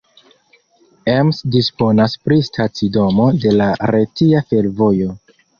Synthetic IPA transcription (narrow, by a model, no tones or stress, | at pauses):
emsdispo̞naspɾistʰat͡sido̞mo̞de̞laɾetiafe̞lvo̞jo̞